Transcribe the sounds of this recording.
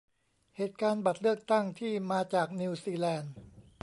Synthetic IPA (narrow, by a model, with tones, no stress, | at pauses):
heː˨˩t̪̚kaː˧nba˨˩t̪̚lɯ˥˩ək̚t̪a˥˩ŋt̪ʰiː˥˩maː˧t͡ɕaː˨˩k̚ni˧siː˧lɛː˧n